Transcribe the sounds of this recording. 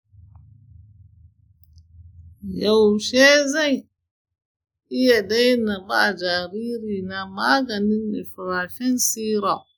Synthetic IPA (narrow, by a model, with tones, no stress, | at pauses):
ja˨wʃe˦za˦j | i˦ja˨da˦jna˨ba̰˦˨d͡ʒa˨ɾi˦ɾi˨na˨ma˦ɡa˨ni˦nːḭ˨fu˨ɾa˨fi˦nsiː˦ɾa˨w